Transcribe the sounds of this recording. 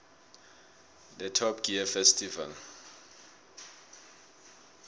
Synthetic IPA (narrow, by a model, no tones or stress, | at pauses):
dɛtʰɔpɡ̥iafɛstʰiva̰l